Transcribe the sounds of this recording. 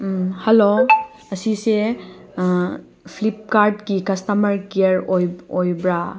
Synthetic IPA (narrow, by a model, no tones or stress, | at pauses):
hɐlo | ɐsise | pʰlip̚kaɾdɡikɐstɐmɐɾkiɐɾojojbɾa